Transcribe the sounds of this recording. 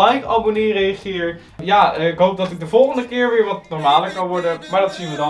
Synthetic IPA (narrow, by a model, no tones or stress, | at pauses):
ɛjka̰bonirejɑχɪːɹ | jaːɪkɦowp̚dɑtɪɡ̚dəvɔlˠχəndəkɪːɹʋɪːɹʋɑtnɔɹmaːdəkɑnʋɔɹdəmaːɹdɑtsinʋədɑ